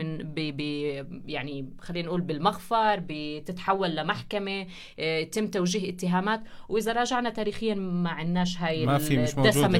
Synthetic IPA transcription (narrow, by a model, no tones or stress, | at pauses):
ɪnbibijaʕnixalːiːnʔuːlbɪlmaɣfɑɾˤbit̪ɪt̪ħawːalːamaħkame | jat̪ɪmːt̪awʒiːɦʔɪt̪ːɪɦaːmaːt̪wʔɪzaɾˤɑːʒaʕnat̪aːɾiːxɪjːamaʕɪnːaːʃɦaːjɪmid̪asamɪ